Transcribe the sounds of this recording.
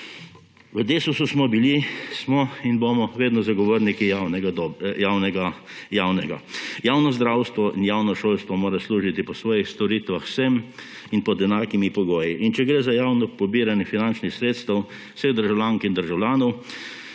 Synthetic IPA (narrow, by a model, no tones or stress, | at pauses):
ʋəd̪eːsususmɔbilismɔinbomɔʋeːd̪nɔzaɡɔʋoːɾnikianɛɡad̪ɔjaːwnɛɡajawnɛɡa̰jaːwnɔzd̪ɾaːwst̪ʋɔʔinjawnɔʃoːlst̪ʋɔmoːɾasluːʒit̪ipɔsʋɔːjixst̪ɔɾit̪ʋaxsɛm | inpɔd̪ɛnaːkimipɔɡoːjiʔint͡ʃɛɡɾeːzajaːwnɔpɔbiːɾanjɛfinant͡ʃnixsɾeːt̪st̪ɐw | seɣd̪əɾʒawlʲaːŋkind̪əɾʒawlʲjaːnɔw